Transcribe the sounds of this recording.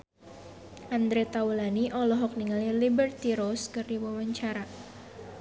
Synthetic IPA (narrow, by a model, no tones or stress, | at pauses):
ʔand̪ɾet̪aulaniʔɔlɔɦɔk̚niŋalilibərt̪iɾoskɨrdiwawaɲt͡ʃaɾa